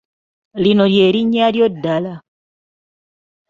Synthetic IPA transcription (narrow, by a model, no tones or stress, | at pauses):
lino̞lje̞ːɾiɲaljodala